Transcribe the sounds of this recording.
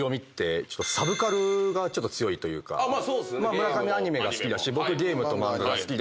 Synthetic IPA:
o̞mʲit̪ːe̞t͡ɕot̪ːosabɯ̟kaɾɯ̟ɡat͡ɕo̞t̪ːot͡sɨjo̞it̪o̞jɯ̟ːka̰maːmɯ̟ɾakamʲiaɲ̟ime̞ɡasɨ̥kʲid̪aɕibo̞kɯ̟ɡʲe̞ːmɯ̟t̪o̞mãɯɡasɨ̥kʲid̪

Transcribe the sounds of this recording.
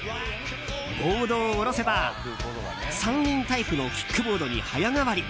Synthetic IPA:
ɡoːd̪oːɾo̞se̞ba | sãɲɲĩnt̪aipɯ̟no̞kʲi̥kːɯ̟bo̞ːd̪o̞ɲ̟ḭhajaŋaβaɾʲi

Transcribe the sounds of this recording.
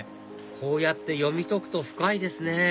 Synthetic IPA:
kʰo̞ːjat̪ːe̞jo̞mʲit̪o̞kɯ̟̥t̪o̞ɸɯ̟̥kaid̪e̞sɨne

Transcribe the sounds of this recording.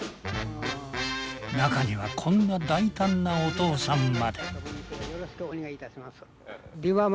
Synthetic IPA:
nakaɲiβa̰kʰõ̞nːad̪ait̪ãnːaot̪o̞ːsãmmad̪e̞joɾoɕi̥kɯonʲiɡait̪aɕimasɨ̥ | d̪ĩam

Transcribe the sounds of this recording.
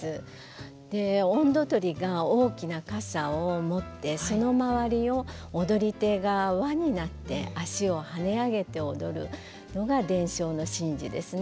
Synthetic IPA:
ɨ | d̪̥e̞õnd̪o̞t̪o̞ɾʲiɡao̞ːkʲinakasaomo̞t̪ːe̞so̞no̞maβaɾʲio̞ːd̪o̞ɾʲit̪e̞ɡaβaɲ̟inat̪ːe̞̰aɕio̞hane̞aɡe̞t̪e̞od̪o̞ɾɯ̟̰ | no̞ɡad̪ẽ̞ɰ̃ɕo̞ːno̞ɕĩɲd͡ʑḭd̪e̞sɨn

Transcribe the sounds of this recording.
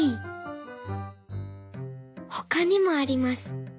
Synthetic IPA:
i | hokaɲ̟imo̞aɾʲimasɨ̥

